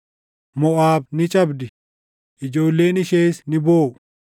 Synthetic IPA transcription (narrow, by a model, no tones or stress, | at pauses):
mɔʔaːbnɪt͡ʃʼɐbd̪ɪ | ʔɪd͡ʒo̞ːlːe̞ːnɪʃeːsnɪboː